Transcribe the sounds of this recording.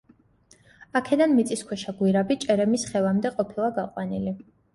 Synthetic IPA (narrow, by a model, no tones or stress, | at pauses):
akʰɛd̪anmit̪sʼiskʰwɛʃaɡwiɾabit͡ʃʼɛɾɛmisχɛvamd̪ɛqʼɔpʰilˠaɡaqʼwanili